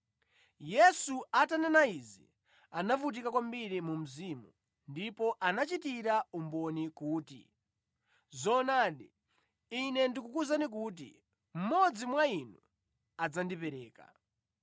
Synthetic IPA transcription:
jɛsuatanɛnaizḭ | anavut̬ikakwambiɾimum̩zimṵ | ndipɔʔanat͡ʃitiɾaumbɔnikuːtḭ | zɔnaɗi | inɛndikukuzanik̬ut̬ḭ | m̩mɔd͡zimwainu | ad͡zandipɛɾɛːka̰

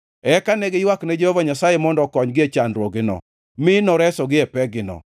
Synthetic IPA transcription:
ɛkanɛɡɪjwaknɛd͡ʒehovaɲasajemɔndɔkɔɲɡɪet͡ʃanɾwoɡɪnɔ̰ | mɪnɔɾɛsɔɡɪɛpɛɡɪnɔ̰

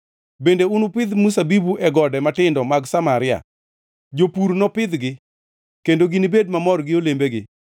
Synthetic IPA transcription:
bendeunupɪd̪mus̬abibuʔɛɡɔdɛmatɪndɔmaɡsamaɾɪa̰ | d͡ʒopuɾnɔpɪd̪ɡɪ | kendoɡinibedmamɔrɡɪolembeɡɪ

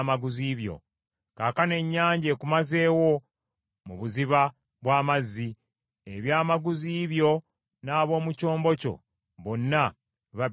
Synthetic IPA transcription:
maɡuziːβjo̞̰ | kaːkane̞ɲːaːɲɟe̞ːkumaze̞ːwo̞ | muβuziβa | βwaːmazːi | eβjaːmaɡuziːβjo̞ | naːβo̞ːmuco̞ːmbo̞co̞̰ | βo̞nːa | βa

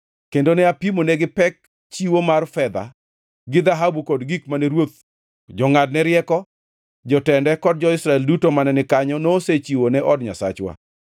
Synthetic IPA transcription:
kendonɛapimonɛɡɪpɛk̚ | t͡ʃiwomarfɛd̪a̰ | ɡɪd̪aɦabukɔdɡikmanɛɾwot̪̚ | d͡ʒɔŋad̚nɛɾɪɛkɔ | d͡ʒɔtɛndɛkɔd̚d͡ʒɔɪsɾaɛldutomanɛnɪkaɲɔnoːset͡ʃiwonɛʔɔdɲa̰sa̰t͡ʃwa̰

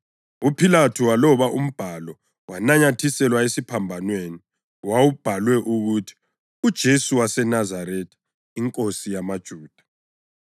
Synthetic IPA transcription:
upʰilatʰuwalɔβaʔum̩b̥ʱalɔ | wanaɲatʰisɛlwaesipʰambʱanweni | wawub̥ʱalwɛʔuɣutʰi̥ | ud̥ʒ̥ʱesuwasɛnazaɾɛtʰi | iŋkʼosijamad̥ʒ̥ʱuːd̥ʱḁ

